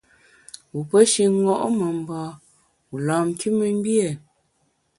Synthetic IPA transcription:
u˨pə˦ʃi˨˦ŋɔ˦˨ʔmə˨m̩˨bɔ˨ | u˨lɔ˨m˦ki˦mə˦m˦bje˦˨

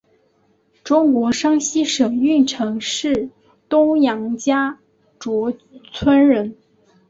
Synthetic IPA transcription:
ʈ͡ʂʊ˥ŋkwɔ˧˥ʂɑ˥ŋɕi˥ʂɤ˨˩ŋy˥˩nʈ͡ʂʰɤ˧˥ŋʂɻ̩˥˩ | t̪ʊ˥ŋjɑ˧˥ŋt͡ɕja˥ | ʈ͡ʂwɔ˧˥t͡sʰwə˥nɻə˧˥n

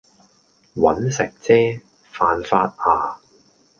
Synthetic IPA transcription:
wɐ̰˨˥nsɪ˨k̚t͡sɛː˥ | faː˧nfaː˧t̚aː˨˧

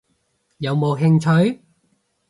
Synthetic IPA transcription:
jɐ˨˧wmo˨˧wɦɪ˧ŋt͡ʃʰɵ˨˥ɥ

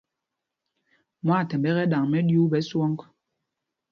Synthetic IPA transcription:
mwa˦˨tɛ˨mbɛ˦ɣɛ˦ɗa˨ŋmɛ˦ɗju˦ɓɛ˨˦swɔ˦ŋk

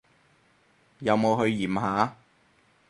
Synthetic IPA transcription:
jɐ˨˧wmo˨˧wɦɵ˧ɥjiː˨˩mɦaː˨˥

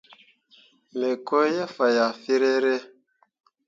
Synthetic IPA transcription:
me˨ko˦jɛ˦fa˨ja˨fi˦ɾe˦ɾe˦

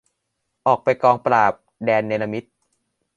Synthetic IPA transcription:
ʔɔː˨˩k̚pa˧jkɔː˧ŋpɾaː˨˩p̚dɛː˧nːeː˧la˧mi˦˥t̪̚

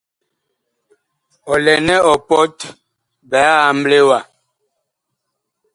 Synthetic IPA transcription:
ɔ˨lɛ˨nɛ˦ɔ˨pɔ˦t | bɛ˨˦a˦a˨m̩˦ble˦wa˨

